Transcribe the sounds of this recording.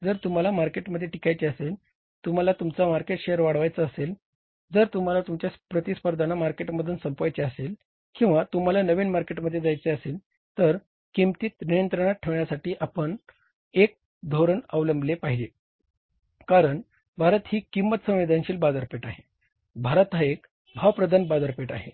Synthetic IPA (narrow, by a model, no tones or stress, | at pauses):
d͡zəɾt̪um̤alamaɾkeʈməd̪ʱːjeʈikajt͡ɕeəsel | t̪um̤alat̪umt͡samaɾkeʈɕejəɾʋaɽ̤ʋajt͡səəsel | d͡zəɾt̪um̤alat̪umt͡ɕjaspɾət̪ispəɾd̪ʱanamaɾkeʈməd̪ʱuːnsəmpajt͡ɕeəsel | kĩw̃ʋat̪um̤alanəʋiːnmaɾkeʈməd̪ʱːjed͡zajt͡seəsel | t̪əɾ | kimt̪iːt̪nijənt̪ɾəɽ̃at̪̚ʈʰːeʋɳjasaʈiːʔapəɳ | ek̚ | d̪ʱoɾəɳəʋləmblepaɦid͡ʑe | kaɾəɳ | bʱaɾət̪ɦiːkimːət̪sə̃w̃ʋed̪ʱanɕiːlbad̪əɾpeʈaɦe | bʱaɾət̪ɦaek | bʱaʋpɾəd̪ʱanbad̪əɾpeʈaɦe